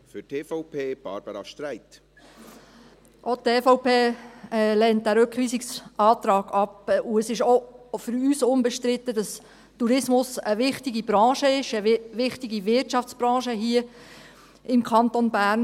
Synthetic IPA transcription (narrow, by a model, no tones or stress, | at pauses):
fʏtʰeːfɔʊpʰeːb̥ɑ̰ɾb̥əɾɑ̰ʃtɾæɪt̪ | ʔot̪eːfoʊpeː | lɛnt̚dæːɾøkχʋiːsɪksɑːt̪ɾɑːɡ̥ɑpuəsɪʃofʏɾyːsʊmbɛʃtɾɪt̪ːəd̥ɑs | tuɾɪsmʊsəʋɪχtiɡib̥ɾɑ̃ːʃəɪʃəʋɪχtɪɡiʋɪrtʃɑft͡sbɾɑ̃ːʃəɦiə | ɪmkʰɑnt̪onbæːɾn